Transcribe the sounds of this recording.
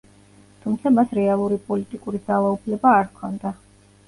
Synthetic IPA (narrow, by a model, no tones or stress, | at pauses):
t̪ʰumt̪sʰamasɾɛalˠuɾipʼɔlit̪ʼikʼuɾid̪alˠaupʰlɛbaːɾkʰɔnd̪a